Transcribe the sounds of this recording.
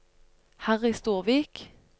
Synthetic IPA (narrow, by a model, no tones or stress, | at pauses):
hæʁiːst̪uːʁʋiːk